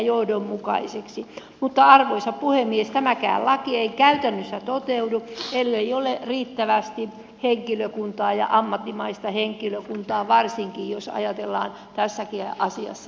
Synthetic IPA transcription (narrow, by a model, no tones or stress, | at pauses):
johdommukɑ̰iseksimut̪ːɑɑrʋoisɑppuhemːiest̪æmækæ̰ːllɑkieikæyt̪ænːøsːæt̪ot̪euduelːeioleriːt̪ːæʋæst̪i | heŋkiløkunt̪ɑːjɑ̰ʔɑmːɑt̪ːimɑist̪ɑheŋkiløkunt̪ɑːʋɑrsiŋkiːjosɑ̰jɑt̪elːɑ̰ːn | t̪æsːækiɑsiɑ̰sːɑ